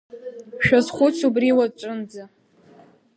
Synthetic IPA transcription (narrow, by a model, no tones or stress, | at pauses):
ʃᶣazχʷʊt͡sʰubriwat͡ʃʷʼʊnd͡za